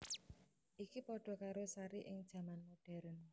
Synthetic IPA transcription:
ʔikipɔɖ̥ɔ̤kaɾosaɾiʔɪŋd̥ʒ̥ä̤manmoɖ̥ɛ̤ɾən

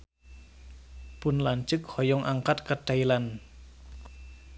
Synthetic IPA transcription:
pʊnlant͡ʃɨkhɔjɔŋʔaŋkat̪̚kat̪ajlan

